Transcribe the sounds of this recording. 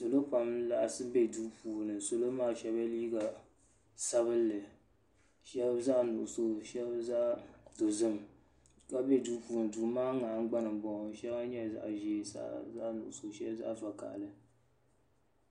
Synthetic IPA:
so˨lo˦pa˨mla˨ʔsɨ˦bɛ˦˨duː˦puː˨nɨ˨so˨lo˦maː˦˨ʃɛ˦ba˦liː˦ɡa˨ | sa˦βɨ˦lːɨ˨ | ʃɛ˦za˦ʔnu˨ʔʊ˨so˦ʃɛ˦bza˦ʔdo˨zɨ˦m | ka˦bɛ˦duː˦puː˨nɨ˨duː˨maː˦ŋa˨ŋ̩˦ɡ͡ba˦nɨ˨bɔ˨˦ʃɛ˦ba˦ɲɛ˦˨za̰˨ʔʒeː˨sa̰˦za̰˦ʔnṵ˨ʔʊ˨so˨ʃɛ˦bza̰˦ʔfa˨ka̰˨ʔlɨ˨

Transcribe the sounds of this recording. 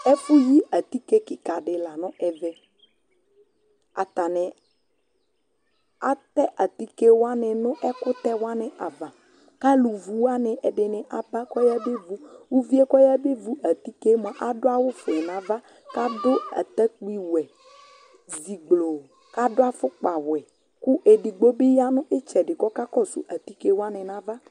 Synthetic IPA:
ɛ˦fʊ˦ji˦a˨t̪i˦ke˦kɪ˨ka˨ɖɪ˨la˨nʊ̃˦ʔɛ˨vɛ˦ | a˨t̪a˨nɪ˨ | a˦t̪ɛ˦ʔa˨t̪i˦ke˦wa˦nɪ˨nʊ̃˦ʔɛ˦kʊ˦t̪ɛ˦wa˦nɪ˨ʔa˨va˨ | ka˦lu˨vu˨wa˦nɪ˨ʔɛ˨ɖɪ˨nɪ˨ʔa˨ba˦kɔ˦ja˦be˦vu˦wu˦vi˦ɛ˦kɔ˦ja˦be˦vu˨ʔa˨t̪i˦ke˦mɔ̃˨ʔa˨dʊ˦a˦wʊ˦fʊ˨ɛ˨nã˨va˦ | ka˦dʊ˦a̰˨t̪a˦k͡pi˨wɛ˨ | zi˨ɡ͡blo˨ | ka˦dʊ˦a˦fʊ˦k͡pa˨wwɛ˨ | kʊ˦ʔe˨ɖi˨ɡ͡bo˦bɪ˦ja˦nʊ̃˦ʔɪ˦t͡ʃɛ˨ɖɪ˨kɔ˦ka˦kɔ˦˨sṵ˨ʔa˨t̪i˦ke˦wa˦nɪ̃˨nã˦va˦

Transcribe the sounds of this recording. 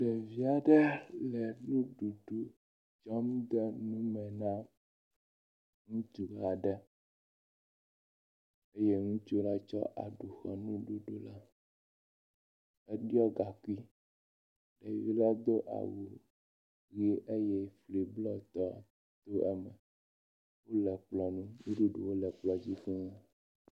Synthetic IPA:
ɖɛ˨vi˦a˨ɖɛ˦lɛ˨nũ˦ɖu˨ɖu˦ | d͡ʒɔ˦m˦d̪ɛ˦nũ˦mɛ̃˨nã˦ | ŋũ˦t͡ʃu˨ɡa˨ɖɛ˦ | e˦je˦ŋũ˦t͡ʃo˦la˦t͡ʃɔ̰˦ʔa̰˨ɖu˨xɛ˨nũ˦ɖu˨ɖu˦la˦ | e˦ɖi˦ɔ˦ɡa˨ku˦i˦ | ɖɛ˨vi˦la˦d̪o˦ʔa̰˨wu˨ | ɣi˦ʔe˦jɛ˦fli˨blɔ˦t̪ɔ˦˨ | t̪o˦ɛ˦mɛ̃˨ | wo˦lɛ˨k͡plɔ˨nũ˦u˦ɖu˦ɖo̰˨wo˦lɛ˨k͡plɔ˨d͡ʑi˦xɛ˦ŋa˦

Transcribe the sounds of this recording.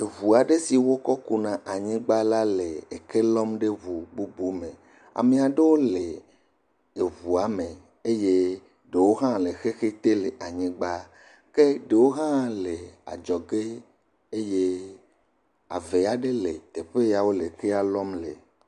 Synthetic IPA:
e˨βu˨a˨ɖe˦si˨wo˦kɔ˦ku˦nã˨ʔa˨ɲĩ˦ɡ͡ba˦la˦le˨e˨ke˦lɔ˦mɖe˦vu˨bu˦bu˦mẽ˨ | a̰˨me˨a˨ɖe˦wo˦le˨ | e˨βu˨a˨˦mẽ˨ | e˦je˦ | ɖe˨wo˦ɦã˦le˨xe˦xe˦t̪e˦le˨ʔa˨ɲĩ˦ɡ͡ba˦ | ke˦ɖe˨wo˦ɦã˦le˨a̰˨d͡ʒɔ˨ɡe˦ | e˦je˦ | a̰˨ve˨a˨ɖe˦le˨t̪e˨ɸe˦ja˨wo˦le˨ke˦a˦lɔ˦mlḛ˨

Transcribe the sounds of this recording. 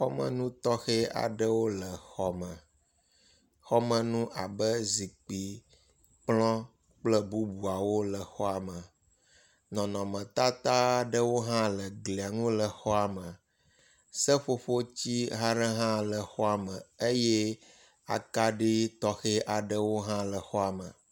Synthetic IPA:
xɔ˦mə̰̃˨nũ˦t̪ɔ˦xɛ˦a̰˨ɖə˦wo˦lə˨xɔ˨mə̃˨ | xɔ˦mə̃˨nũ˦ʔa˨bə˦zi˨k͡pi˨ | k͡plɔ̃˦ | k͡plə˦bu˦bu˨a˨wo˦lə˨xɔ˦a˨mə̃˨ | nɔ̃˨nɔ̃˨mə̃˨t̪a˦t̪a˦ɖə˦wo˦ɦã˦lə˨ɡli˨a˨ŋũ˦lə˨xɔ˦a˨mə˨ | sə˦ɸo˦ɸo˦t͡ɕi˦ɦa˦ɖə˦ɦã˦lə˨xɔ˦a˨mə̃˨e˦jɛ˦ | a̰˨ka˦ɖi˦t̪ɔ˦xɛ˦ʔa˨ɖə˦wo˦ɦã˦lə˨xɔ˦a˨mə̰̃˨

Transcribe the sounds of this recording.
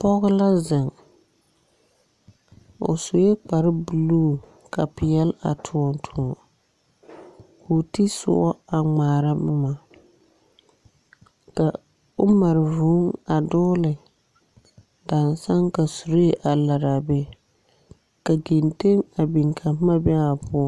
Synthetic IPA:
pɔ˦ɣʊ˦la˦zɪ˨ŋ | ʊ̰˨so˨jɛ˦k͡pa˨ɾɪ˦bu˨luː˦ | ka˨pɪ˨jɛ˦la̰˨tʰʊ˨ɔ˨ntʰʊ˨ɔ˨ | ku˨ti˦sʊ̰˦ʔɔ˦a˨ŋ͡maː˨ɾa˦mʊ˦ma˨ | ka˨ | ʊ˦ma˨ɾɪ˨vʊ˦ŋa˨dʊː˦lɪ˨ | da˨nsa˦ŋka˨su˨ɾe˦ʔa˨la˨ɾa˨bɛ˨ | ka˨ɡi˨nte˦ŋa˨bi˨ŋkʰa˨mpma˦bɛ˦a˨bʊ˦ɔ˦

